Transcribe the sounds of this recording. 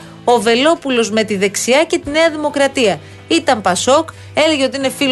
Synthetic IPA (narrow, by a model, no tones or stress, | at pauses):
o̞ve̞lo̞pulo̞zme̞t̪iðe̞ksiɐce̞t̪ine̞ɐðimo̞kɾɐt̪iɐ | it̪ɐmpɐso̞k | e̞le̞ʝeo̞t̪iine̞fi